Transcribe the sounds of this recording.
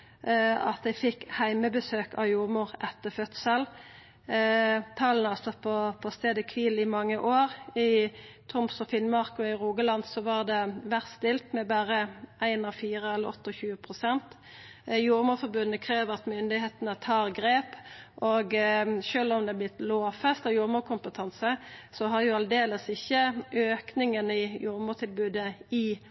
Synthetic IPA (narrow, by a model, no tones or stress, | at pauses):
ɑt̪̚d̪æɪfɪkhæɪməbəsøːkʰɑ̰juːʁmʊːɾɛt̪ːəfœt̪səl | t̪ʰɑlnɑsɑt̪pʰɔpʰɔst̪eːd̪əkʰʋiːlɪmɑŋːəʔoːʁɪt̪ʰʊmsɔfɪnmɑʁkɔɪʁuːɡəlɑnd̪sɔʋɑʁd̪ɛʋæʁst̪ɪlt̪mɛbæːʁəʔæɪnɑfiːɾəɛlːəɔt̪ːɔçʉːəpʰʁʊsɛnt̪ | juːɾmuːɾfɔʁbʉnːəkʰʁeːʋəʁɑt̪mʏnd̪ɪheːt̪ənət̪ʰɑːʁɡɾeːpʔoɡʃøːlɔmd̪ɛæblɪt̪loːfɛst̪ɔjuːɾmuːɾkʰʊmpət̪ʰɑnsəsɔɦɑɾjʊɑld̪eːləsɪçːəøːknɪŋənɪjuːɾmuːt̪ʰɪlbʉːd̪əɪ